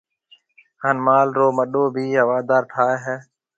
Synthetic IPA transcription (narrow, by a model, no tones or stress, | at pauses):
haːnmaːlɾoːməɗoːbʱiːɦəʋaːd̪aːɾʈʰaːeːɦɛː